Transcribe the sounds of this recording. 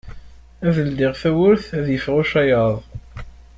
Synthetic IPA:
æðəld̪ɪʁθæwʊɾθæðjəfʁʊʃæjɑðˤ

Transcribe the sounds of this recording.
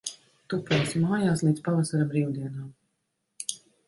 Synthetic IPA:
t̪upʲɛjsmaːjaːslˠiːt̪spavasaɾabɾiːwd̪iɛnaːm

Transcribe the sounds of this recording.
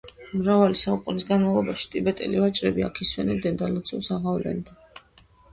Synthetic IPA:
mɾavalisaukʼunisɡanmavlˠɔbaʃi̥t̪ʼibɛt̪ʼɛ̰livat͡ʃʼɾɛbia̰kʰiswɛnɛb̚d̪ɛnd̪alɔt̪sʰulˠsaʁavlɛ̰nd̪a

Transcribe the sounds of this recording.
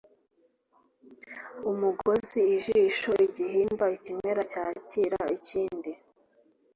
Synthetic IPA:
umuɡo̞ziiʒiʃoiɟiɦiːmbaicimeɾacaːciɾa̰iciːndi

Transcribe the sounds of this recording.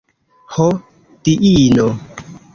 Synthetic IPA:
ho | tiʔino

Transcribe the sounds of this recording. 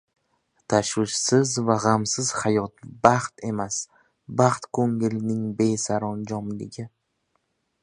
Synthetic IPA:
t̪ʰaʃwɪʃsɪzvaʁamsɪz̥hajɒt̪̚bɑχt̪ʰe̞mas | baχt̪kʰɵŋɪlnɪŋbe̞jsaɾɒnd͡ʒɒmlɪɡʲɪ

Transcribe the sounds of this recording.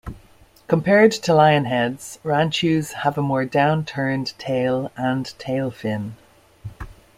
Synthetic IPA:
kʰə̃mpʰɛɹdtʰəlaɪə̃nɦɛdz̥ɹãnt͡ʃʉz̥həvəmɔːɹdãʊ̃ntʰɜ̃˞ntʰeɪlə̃ntʰeɪlˠfɪ̃n

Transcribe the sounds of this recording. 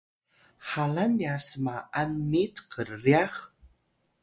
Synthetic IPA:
halanjasmaanmitqəɾːiax

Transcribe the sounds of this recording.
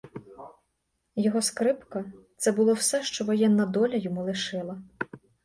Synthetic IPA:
jɔɦɔskɾɪpkɐt̪sɛbʊlˠɔwsɛʃt͡ʃɔʋɔjɛnːɐd̪ɔlʲɐjɔmulˠɪʃɪlˠɐ

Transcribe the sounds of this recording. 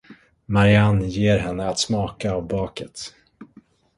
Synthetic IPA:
maɾɪanjeːɾɦɛnːəat̪smɑːkaːvbɑːkət̪

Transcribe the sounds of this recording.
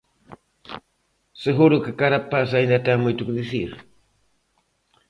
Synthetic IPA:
seɦʊɾʊkakaɾapas̬ajnat̪amʊjt̪ʊkd̪ɪsɪɾ

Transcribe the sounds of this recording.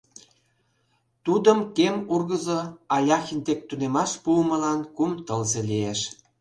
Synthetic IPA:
t̪ud̪əmkemurɣəzoɑlʲɑxind̪ek̚t̪unemɑʃpuməlɑnkumt̪əlzelieʃ

